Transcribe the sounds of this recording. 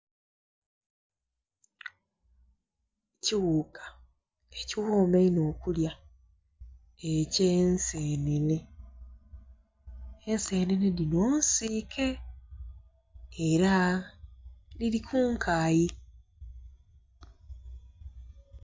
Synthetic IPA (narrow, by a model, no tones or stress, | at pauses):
ciwukʰḁ | eciwoːmeino̞ːkulja | ecensenene̞ | ense̞ːneneninoːnsiːkʰe̞ | eɾa | liɾikʰuŋkʰaːji